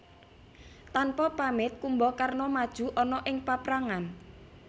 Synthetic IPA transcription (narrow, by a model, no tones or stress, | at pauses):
t̪anpɔpamɪt̪̚kumbɔkarnɔmad̥ʒ̥ṳʔɔnɔʔɪŋpapɾaŋan